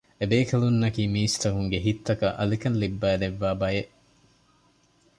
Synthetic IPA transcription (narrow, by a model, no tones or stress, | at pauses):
ebeːkʰɐlunːɐkiːmiːst̪ɐkuŋɡeɦit̪ːɐkɐʔɐlikɐnlibːæːd̪eʋːaːbɐjeʔ